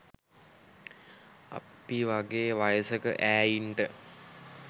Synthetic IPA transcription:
a̰piʋaɡeːʋajəsəkə̰ʔæːjiɳʈə

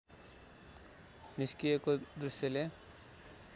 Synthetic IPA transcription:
niskijekod̪ɾuʃjɔle

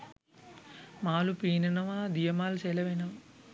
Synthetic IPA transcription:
maːlupiːnɐnɐʋaːd̪ijɐmaːlseːlɐʋenɐʋ

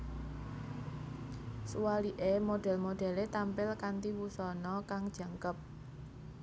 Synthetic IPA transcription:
suwaliʔemoɖ̥ɛ̤lmoɖ̥ɛ̤let̪ampɪlkant̪iwusɔnɔkaŋd̥ʒ̥ä̤ŋkəp̚

